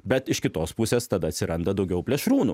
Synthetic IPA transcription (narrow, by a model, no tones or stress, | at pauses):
bʲɛt̪ɪʃkʲɪt̪oːspʊsʲeːst̪ɐd̪ɐɐt̪ʲsʲɪɾɐnd̪ɐd̪ɒʊɡʲɛʊpʲlʲɛʃɾuːnṵː